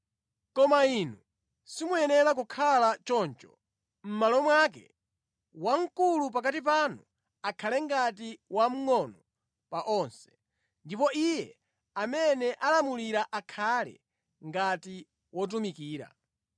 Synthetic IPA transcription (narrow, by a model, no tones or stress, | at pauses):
kɔmainu | simujɛnɛɾak̬ukʰalat͡ʃɔnt͡ʃɔ̥ | m̩malɔmwak̬ɛ̰ | waŋ̩kulupak̬atip̬anu | akʰalɛŋɡat̬iwam̩ŋɔnɔ | paʔɔnsɛ̥ | ndipɔʔijɛ | amɛnɛʔalamuliɾaʔakʰalɛ̰ | ŋɡati | wɔt̬umikiːɾa̰